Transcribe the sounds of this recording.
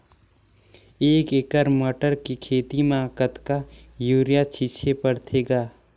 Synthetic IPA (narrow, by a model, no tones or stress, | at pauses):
eːkekəɾmɐʈəɾkikʰeːt̪imãːkət̪ka | juːɾijat͡ʃʰit͡ʃʰepəɽt̪ʰeːɡaː